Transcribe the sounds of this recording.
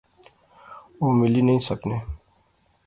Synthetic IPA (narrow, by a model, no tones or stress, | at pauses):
oːmɪlinəɦĩsəkneː